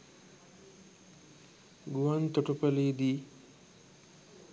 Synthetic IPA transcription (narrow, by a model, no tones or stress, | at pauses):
ɡuwant̪ɔʈɔpɐlid̪i